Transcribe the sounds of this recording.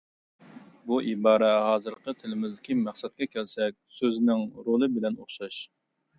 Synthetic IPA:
buʔibɑːɾɛɦɑːzɨɾqət̪ʰɪlɪmɪzd̪ɪkʲimæχsɛt̪̚kʲɛkʲʰɛlsɛk̚ʲsøznɪŋɾolˠɨbɪlɛnoχʃɑʃ

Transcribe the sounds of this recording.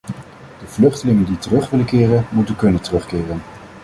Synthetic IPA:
d̥əv̥lɵχtəlɪŋənditərɵχʋɪləkɪːrənmutənkɵnəntərɵχkɪːrən

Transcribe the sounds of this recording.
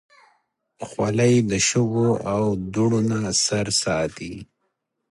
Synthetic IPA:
xwalajd̪əʃʊɡoawd̪uɽonasaɾsɑt̪i

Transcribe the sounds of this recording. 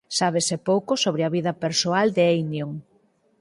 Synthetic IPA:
saβesepowkosoβɾɪɐβiðɐpeɾsoald̪eejnjoŋ

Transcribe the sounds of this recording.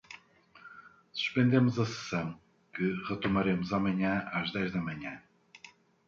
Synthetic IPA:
su̥ʃpẽnd̪emuzɐsɨ̥sɐ̃w̃ | kɨʁɨt̪umɐɾemʊzamɐɲɐ̃aʒðɛʒðɐmɐɲɐ̃

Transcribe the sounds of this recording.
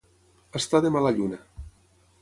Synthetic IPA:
ast̪aðemalaʎuna

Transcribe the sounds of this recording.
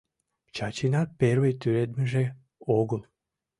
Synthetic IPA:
t͡ɕɑt͡ɕinɑt̪̚peɾvejt̪yɾed̪meʒe | oɣəlˠ

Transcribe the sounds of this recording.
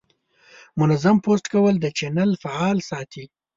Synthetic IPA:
mʊnazamposʈkawəld̪ət͡ʃenalfaɑlsɑt̪ʰi

